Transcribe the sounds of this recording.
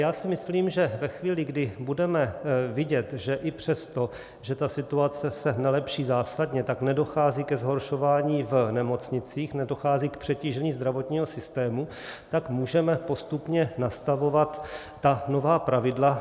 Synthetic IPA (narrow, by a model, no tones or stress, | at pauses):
jaːsɪmɪsliːmʒɛvɛxviːlɪɡdɪbudɛmɛvɪɟɛt̪ʒɛʔɪpr̝̥ɛst̪o̞ | ʒɛt̪asɪt̪uat͡sɛsɛnɛlɛpʃiːzaːsadɲɛt̪aknɛdo̞xaːziːkɛzɦo̞ɾʃo̞vaːɲiːvnɛmo̞t͡sɲɪt͡siːxnɛdo̞xaːziːkpr̝̥ɛciːʒɛɲiːzd̪ɾavo̞t̪ɲiːɦo̞sɪst̪ɛːmu | t̪akmuːʒɛmɛpo̞st̪upɲɛnast̪avo̞vat̪ː | ano̞vaːpɾavɪdla